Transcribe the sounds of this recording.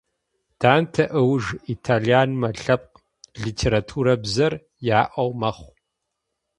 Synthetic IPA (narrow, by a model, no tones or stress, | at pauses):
d̥aːmtʰɐʔɨwʐitʰaːɮijaːnmɐɬɐp̚q | ɮiːtʰeːɾaːtʰuːɾɐbzɐr | jaːʔɐwmɐχʷ